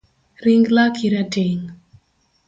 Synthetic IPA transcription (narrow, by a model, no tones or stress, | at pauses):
ɾiŋɡlakʰiɾateŋ